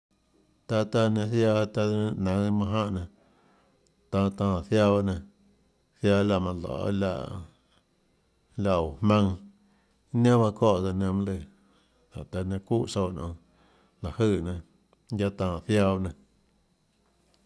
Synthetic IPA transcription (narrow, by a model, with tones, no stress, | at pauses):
t̪a˧t̪a˧nã˧θjaː˧t̪a˧˦˧nã˨˧˦mã˧ɦã˦ʔnã˨ | t̪ã˧t̪ãː˧˨θja˦˧βa˦nã˧ | θjaː˧la˧˨mã˧lɔ̰˨˦la̰˧˨ʔ | la˧o˨hmã˦˧ŋ˦ | nã˦ba˧kɔ˦˨ʔd͡za˧nə̃˧m˦lɨ˧˨ | t̪a̰˨t̪a˧nã˧ku˦ʔso˧˨nʔɔ̰̃˧ | la˨hɨ˧˨nã˧˨ | ja˦t̪ãː˧˨θja˧ba˧nã˧